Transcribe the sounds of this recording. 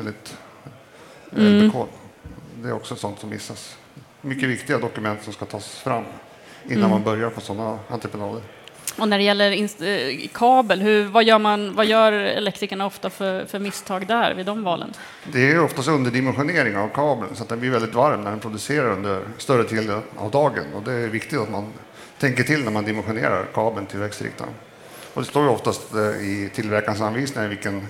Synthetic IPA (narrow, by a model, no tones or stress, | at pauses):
ɛld̪ɪt̪ | ɛləkʰɔld̪ɛæɾɔksɔɛt̪sɔnt̪sɔmːɪ̰sːas | mʏkːəvɪkt̪ɪɡad̪ɔkɵmɛnt̪sɔmskat̪ʰɑːsfɾamː | ɪnːanmanbœɾjaɾpʰɔsɔnːaa̰nt̪ɾəpɛnɑːd̪əɾ | ɔnæɖɛjɛlːəɾɪnkʰɑːbəlɦɵvajœːɾmanvajœːɾɛ̰lɛk̚t̪ɾɪkaɳaɔft̪afœfœɾmɪst̪ʰɑːɡd̪æɾvɪd̪ɔmvɑːlə̰n | d̪ɛæɾjɔft̪ast̪ɵnd̪əɖɪmɛnɧʊneːɾɪŋavkʰɑːbəlsɔat̪̚d̪ɛnblɪvɛld̪ɪt̪vaɾmnæɖɛnpʰɾʊd̪ɵseːɾaɾɵnd̪əɾst̪œɾət̪ʰiːld̪əna̰vd̪ɑːɡə̰nɔ̰d̪ɛvɪkt̪ɪkt̪at̪man | t̪ʰɛŋk̬əʈʰɪlnæɾmand̪ɪmɛnɧʊnḛːɾa̰ɾkʰɑːbəlt̪ʰɪlvɛkst̪ɾɪ̰k̚t̪a̰n | ɔd̪ɛst̪oːɾjəɔft̪ast̪ɪt̪ʰɪlvæɾkans̬anviːsnɪŋavɪlkən